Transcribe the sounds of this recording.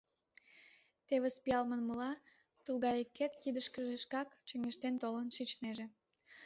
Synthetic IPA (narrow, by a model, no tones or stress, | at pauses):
t̪eβespiɑlmənməlɑ | t̪ulɣɑjekːet̪kid̪əʃkəʒeʃkɑkt͡ɕəŋeʃt̪ent̪olənʃit͡ɕneʒe